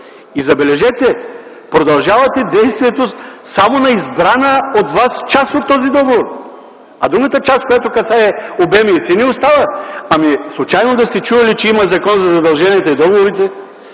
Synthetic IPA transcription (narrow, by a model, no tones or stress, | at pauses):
izɐbɛlɛʒɛt̪ɛ | pɾod̪ɐlˠʒavɐt̪ɛd̪ɛjst̪viɛt̪osamonɐizbɾanəot̪vast͡ʃasot̪ːɔzid̪ɔɡovoɾ | ɐd̪ɾuɡɐt̪ət͡ʃaskojat̪okɐsaɛobɛmiːsiniost̪avɐɐmislˠʊt͡ʃajnod̪ɐst̪ɛt͡ʃuvɐlit͡ʃɛimɐzɐkɔnzɐzɐd̪ɐlˠʒɛniɛt̪ɐid̪ɔɡovoɾit̪ɛ